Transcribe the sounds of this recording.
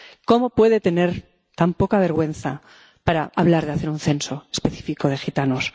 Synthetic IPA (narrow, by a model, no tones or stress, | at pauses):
ko̞mo̞pwe̞ðe̞t̪e̞ne̞ɾ | t̪ampo̞kaβe̞ɾɣwe̞n̟θa | paɾaaβ̞laɾð̞eaθeɾunθe̞nso̞e̥spe̞θi̥fiko̞ð̞e̞xit̪anos